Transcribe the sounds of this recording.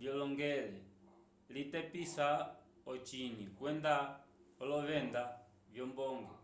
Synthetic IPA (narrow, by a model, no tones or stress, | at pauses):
ljɔlɔŋɡɛlɛ | litɛpisa | ɔt͡ʃinikwɛndaɔlɔβɛnda | vjɔmbɔŋɡɔ